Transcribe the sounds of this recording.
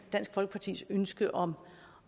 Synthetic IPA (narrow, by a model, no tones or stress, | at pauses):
d̥æn̰sɡ̥fɒlɡ̥ə̥pʰɑ̈t͡sʰḭːsønsɡ̥əʔɒ̽m